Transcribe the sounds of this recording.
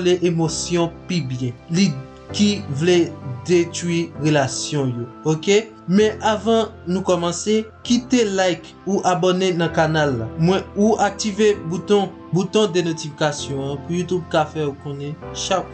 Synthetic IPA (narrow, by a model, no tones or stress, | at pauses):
leʔemosjɔ̃pibjɛ̃li | kivled̪et̪ʁwiʁelasjɔ̃jooke | mɛ̃ʔavɑ̃ | nũkɔmɑ̃se | kit̪elajk | uʔabonenɐ̃kanalːa̰mwɛ̃uak̚t̪ivebut̪ɔ̃ | but̪ɔ̃d̪enotifikasjɔ̃ãpujut̪ub̚kafɛukɔ̃nɛ̃ʃa